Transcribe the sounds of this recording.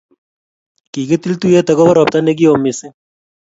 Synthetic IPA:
ki˨ke˦t̪i˦lt̪u˦je˦ta˨kɔ˦bɔ˦ɾɔ˨p̚ta˦ne˦k̬i˦o˨mɪ˨sɪ˦

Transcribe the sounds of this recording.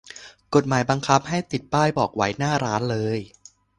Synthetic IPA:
ko˨˩t̪̚maː˩˦jba˧ŋkʰa˦˥p̚ha˥˩jt̪i˨˩t̪̚paː˥˩jbɔː˨˩k̚wa˦˥jnaː˥˩ɾaː˦˥nlɤː˧j

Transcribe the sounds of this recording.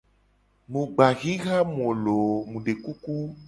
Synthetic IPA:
mũ˨ɡ͡ba˨ɣĩ˦ɣa˦mũ˨o˨lo˨mũ˨ɖe˨ku˦ku˦

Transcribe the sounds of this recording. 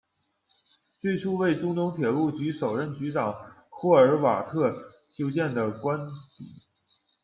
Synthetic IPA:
t͡swe˥˩ɪʈ͡ʂʰu˥we˥˩ɪʈ͡ʂʊ˥ŋt̪ʊ˧˥ŋt̪ʰjɛ˨˩lu˥˩t͡ɕy˧˥ʂo˨˩ʊɻə˥˩nt͡ɕy˧˥ʈ͡ʂɑ˨˩˦ŋxwɔ˥˩ə˞˧˥wa̰˨˩t̪ʰɤ˥˩ | t͡ɕjo˥ʊt͡ɕjɛ˥˩nd̪ə˩kwa˥npḭ˨˩˦

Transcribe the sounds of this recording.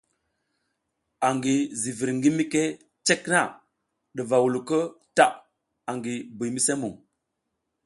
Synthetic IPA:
a˨ŋɡi˨zi˨vi˨ɾŋɡi˦mi˦ke˦ | t͡ʃe˦kna˦˨ | ɗə˨va˨wu˨lu˨kə˦ta˨ʔ | a˨ŋɡi˨bi˨jmi˦se˦mu˨ŋ

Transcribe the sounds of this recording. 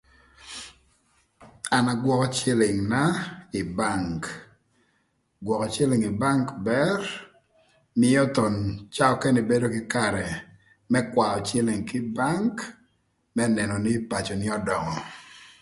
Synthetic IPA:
a˨na˨ɡwɔ˨kɔ˦t͡ʃɪ˦lɪ˨ŋna˦ɪ˨ba˦˨ŋk | ɡwɔ˨kɔ˨t͡ʃe˦lɪ˨ŋi˨ba˦ŋkbɛ˦r | mɪ˦ɔ˦t̪o˨nt͡ʃa˦ɔ˦kɛ˦nɪ˨be˦do˦kɪ˦ka˨ɾɛ˨ | mɛ˦kwa˨ɔ˨t͡ʃɪ˦lɪ˨ŋkɪ˦ba˦ŋk | mɛ˦nɛ˨nɔ˨nɪ˦pa˨t͡ʃɔ˨nɪ˦ɔ˦dɔ˨ŋɔ˨

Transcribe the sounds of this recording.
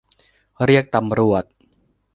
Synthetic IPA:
ɾi˥˩ək̚t̪a˧mɾu˨˩ət̪̚

